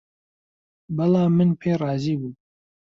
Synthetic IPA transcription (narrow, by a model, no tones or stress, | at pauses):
bɐlɑːmɨnpʰeːrˤɑːziːbuː